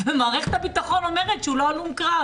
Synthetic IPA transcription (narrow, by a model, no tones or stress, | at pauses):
vemaːʁeχt̪abit̪aχo̞nomeʁet̪t͡ʃuloalumkʁa